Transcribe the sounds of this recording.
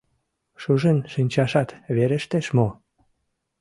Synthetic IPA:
ʃuʒenʃinʲt͡ɕɑʃɑt̪βeɾeʃt̪eʃmo

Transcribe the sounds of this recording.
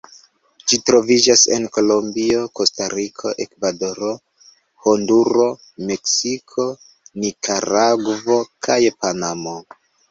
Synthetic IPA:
d͡ʒitɾo̞vid͡ʒase̞̰nko̞lo̞mbio̞ko̞staɾikʰo̞ʔe̞kvado̞ɾo̞ | honduɾo̞ | me̞ksikʰo̞ | nikʰaɾaɡvo̞kʰajpanamo̞

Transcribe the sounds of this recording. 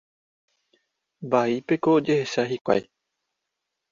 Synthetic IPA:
baipe̞koːd͡ʒe̞he̞ʃaɦikʷa̰j

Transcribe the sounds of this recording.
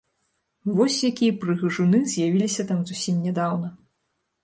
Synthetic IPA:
vɔsʲjakʲijɐpɾɨɣɨʐunɨzʲjavʲilʲisʲɐt̪amzusʲimnʲɛd̪awnɐ

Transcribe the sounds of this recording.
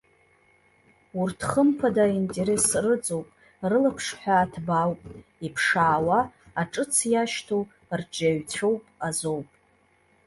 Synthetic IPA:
urtʰχəmpʰadaintʼeɾesrɨt͡sʼowpʼ | rɨlapʰʂħʷᶣaːtʰbawpʼipʰʂaːwaː | ʈ͡ʂʼɨt͡sʰjaʃtʰow | rd͡ʒʼaɥt͡sʷʰowpʼazo̞wpʼ

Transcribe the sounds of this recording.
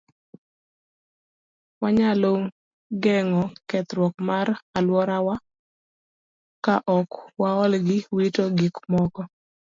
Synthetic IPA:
waɲaloŋ | ɡɛŋɔkɛt̪ɾwɔkmaralwɔɾawa | kaʔɔkwaɔlɡɪwitoɡɪkmɔkɔ

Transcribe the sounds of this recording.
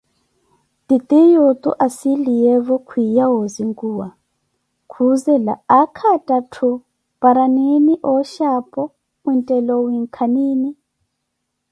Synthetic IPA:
tit̪ʼijot̪ʼṵʔasilijɛβɔkʰwijawoziŋɡʼuːwa | kʰuzɛla̰ːkʰatʼatʰu | paɾaniniʔɔʃapʼɔ | untʼɛlɔwiŋkʰaniːni

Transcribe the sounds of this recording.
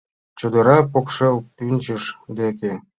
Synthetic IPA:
t͡ɕod̪ɤ̆ɾɑpokʂepynʲt͡ɕə̆ʃd̪ekʲe

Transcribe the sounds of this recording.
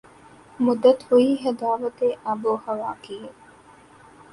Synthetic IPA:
mud̪ːɐt̪huiːɦɐd̪aːʋɐt̪eʔɐboːhɐʋaːkie

